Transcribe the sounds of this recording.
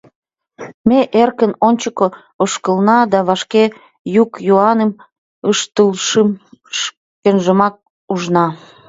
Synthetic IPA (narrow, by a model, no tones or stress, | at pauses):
meʔerkənonʲt͡ɕəko | oʃkəlnɑd̪ɑβɑʃke | jukjoɑnəm | əʃt̪əlʃəmʃ | kenʒəmɑk̚ | uʒnɑ